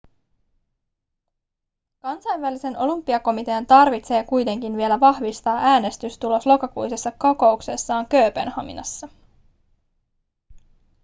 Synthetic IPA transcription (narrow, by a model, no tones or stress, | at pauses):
kɑnsɑjnʋælise̞no̞lympːiɑko̞mit̪e̞ɑnt̪ɑrʋit̪se̞ːkujt̪e̞ŋk̟inʋie̞læʋɑhʋist̪ɑːʔæːne̞st̪yst̪ulo̞slo̞kɑkujsesːɑkoko̞ukse̞sːɑːŋkø̞ːpḛnhɑ̰mḭnɑ̰sːɑ